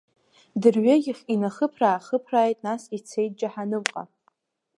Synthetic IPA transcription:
dɨrɥaɡʲɪχʲinaχəpʰraːχəpʰraːjtʼnasit͡sʰejt̚d͡ʒaħanɨmqʼa̰

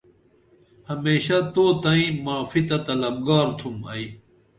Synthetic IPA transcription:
hɐmeːɕat̪oːt̪ɐĩmaːfit̪ɐt̪ɐlɐb̚ɡaːɾt̪ʰumɐ̰i

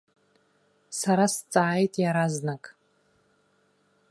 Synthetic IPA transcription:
saɾast͡sʼaːjtʼjaɾaznakʼ

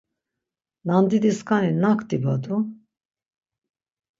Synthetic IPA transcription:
nand̪id̪iskʰaninakʰt̪ibad̪u

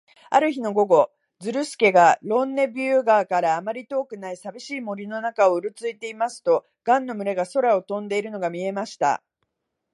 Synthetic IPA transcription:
a̰ɾɯ̟çino̞ɡo̞ɡo̞ | d͡zɨɾɯ̟sɨ̥ke̞ɡaɾõ̞nːe̞bʲɯːɡaːkaɾaːmaɾʲit̪o̞ːkɯ̟naisabʲiɕiːmo̞ɾʲino̞nakao̞ɯɾɯ̟t͡sɨit̪e̞imasɨ̥t̪o̞ | ɡ̥ãnːo̞mɯ̟ɾe̞ɡaso̞ɾao̞t̪õ̞nd̪e̞iɾɯ̟no̞ɡamʲie̞maɕi̥t̪a̰

